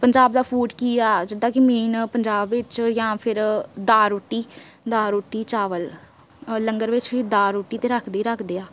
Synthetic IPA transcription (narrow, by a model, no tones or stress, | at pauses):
pəɲd͡ʒaːbd̪aːpʰuːʈkiːaːd͡ʒɪd̪ãːkimiːnpəɲd͡ʒaːbʋɪt͡ʃjãːpʰɪɾd̪aːɾoʈːiː | d̪aːɾoʈːiːt͡ʃaːʋəl | ləŋɡəɾʋɪt͡ʃʋiːd̪aːɾuːʈːiːt̪ẽːɾəkʰd̪iːɾəkʰd̪eːaː